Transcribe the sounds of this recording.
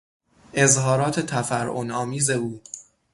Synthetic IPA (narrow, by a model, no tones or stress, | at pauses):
ʔe̞zhɒːɾɒːt̪ʰe̞t̪ʰæfæɾʔonɒːmiːze̞uː